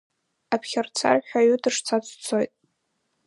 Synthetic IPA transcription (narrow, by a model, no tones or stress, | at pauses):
apʰχʲart͡sʰa̰rħᶣʷaɥʊdʰɨʂt͡sʰat͡sʷʰʼt͡sʰojtʼ